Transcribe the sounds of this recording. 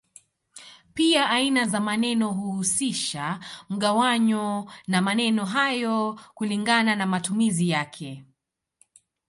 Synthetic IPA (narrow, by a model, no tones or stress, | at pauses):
piaʔainazamanɛnɔɦuhusiʃam̩ɠawaɲɔnamanɛnɔɦajɔkuliŋɡananamatumizijakʰɛ